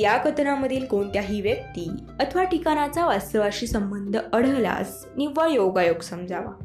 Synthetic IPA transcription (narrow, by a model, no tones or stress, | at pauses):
jakət̪naməd̪ʱiːlkoɳt̪jaɦiːʋjək̚t̪iː | ət̪ʰəʋaʈikañat͡saʋast̪əʋaɕiːsəmbənd̪ʱəəɽ̤əla̰s | niʋːajoɡajoɡsəmd͡zʱaʋa̰